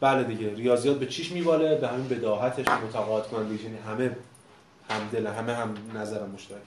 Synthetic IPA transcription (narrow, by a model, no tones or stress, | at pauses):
b̥æled̪iɟeɾijɒːzijɒːt̪̚be̞t͡ʃʰiːʃmiːbɒːlebehæmiːnbe̞d̪ɒːɦæt̪ʰe̞ʃmot̪ʰæɣɒːet̪̚kʰonænd̪eiʃjæniɦæme | hæmd̪e̞læɦæmeɦæmnæzæɾæmːoʃt̪æɾ